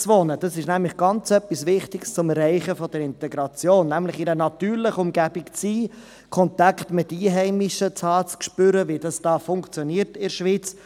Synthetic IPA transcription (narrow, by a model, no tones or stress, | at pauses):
t͡sʋonəd̥ɑsɪʃnæmlɪχɡ̥ɑnt͡sœpːisʋɪχtɪkst͡sʊmɛɾɛɪχəfɔd̥əɾɪntɛɡɾɑt͡sjoːnːæmlɪχɪɾənɑtyːɾlɪχəʊmɡæb̥ɪkt͡siː | kʰɔntɑktmɪtiːɦɛɪmɪʃət͡sɑːt͡skʃpʏɾəvid̥ɑsd̥ɑːfʊŋkt͡sjɔniːəɾtɪɾʃʋiːt͡s